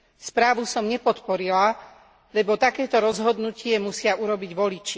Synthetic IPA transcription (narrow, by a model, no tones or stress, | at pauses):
spɾaːʋusɔmɲɛpɔt̪pɔɾila | lɛbɔt̪akɛːt̪ɔɾɔzɦɔd̪nucɪɛmusɪauɾɔbiɟʋɔlit͡ʃi